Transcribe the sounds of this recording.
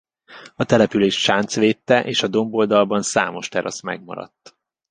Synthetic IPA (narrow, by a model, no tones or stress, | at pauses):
ɒt̪ɛlɛpyleːʃʃaːnt̪sʋeːt̪ːɛʔeːʃɒd̪o̞mbold̪ɒlbɒnsa̰ːmo̞ʃt̪ɛɾɒ̰smɛ̰ɡmɒ̰ɾɒ̰t̪ː